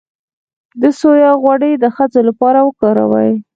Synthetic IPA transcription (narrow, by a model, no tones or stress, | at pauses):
d̪əsojɑɣwaɽəjd̪əxat͡solapɑɾawəkɑɾa̰wa̰j